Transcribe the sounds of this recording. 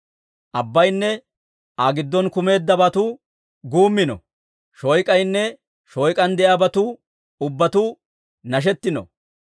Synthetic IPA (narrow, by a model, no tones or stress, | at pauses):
ʔɐbːɐjnːɛ | ʔɐɡɪd̪ːɔnkʊme̞ːd̪ːɐbɐt̪u | ɡuːmːɪnɔ̰ | ʃɔjkʼɐjnːɛ | ʃɔjkʼɐnd̪ɛʔɐbɐt̪uː | ʊbːɐt̪uː | nɐʃ̬ɛt̪ːɪnɔ̰